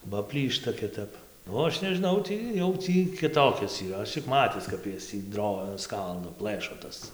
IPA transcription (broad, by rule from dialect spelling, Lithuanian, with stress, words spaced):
bɐ ˈpʲlʲiːʃtɐ kʲɪˈtɐp oː ˈɐʃ nʲɛʒʲɪˈnɐʊ ˈtʲiː jɛʊ ˈtʲiː kʲɪˈtoːkʲɛs iːˈrɐ ˈɐʃ t͡ʃʲɪk ˈmɑːtʲɪs kɐp ˈjɛs tʲiː ˈdroː ˈskɐlˠdoː ˈplˠɘʃoː ˈtɐs